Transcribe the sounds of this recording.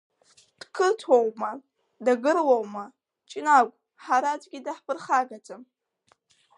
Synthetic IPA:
d̥kʰɨrtʰowma | daɡɨrlowma | t͡ʃʼinakʷʼ | ħaɾatʼɡʲidaħpʰɨrχaɡatʰʼɨm

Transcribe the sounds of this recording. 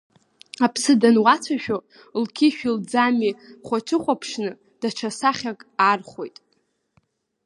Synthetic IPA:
apʰsɨdanwat͡sʷʰaʃᶣo | lkʲʰiʃᶣild͡zamiχʷat͡ʃʰɨχʷʼapʰʂnɨ | d̥aʈ͡ʂʷʰasaχʲakʼarχʷo̞jtʼ

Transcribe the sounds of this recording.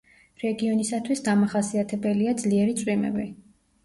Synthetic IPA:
ɾɛɡiɔnisat̪ʰwisd̪amaχasiat̪ʰɛbɛliad̪zliɛɾit̪sʼwimɛ̰bi

